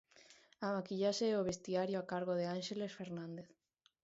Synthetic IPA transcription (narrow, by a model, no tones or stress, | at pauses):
amakiʎaʃeoβ̞est̪iaɾjoakaɾɣ̞oðeanʃelesfeɾnãnd̪eθ